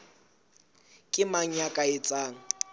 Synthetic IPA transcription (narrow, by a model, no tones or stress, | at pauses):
kʼɪmaɲakʼaet͡sʼaːŋ̩